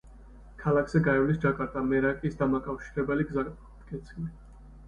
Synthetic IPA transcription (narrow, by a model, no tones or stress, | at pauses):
kʰalakʰz̥ɛɡaɛvlisd͡ʒakʼaɾt̪ʼamɛɾakʼisd̪amakʼafʃiɾɛbɛliɡza | d̪kʰʼɛt̪sʰili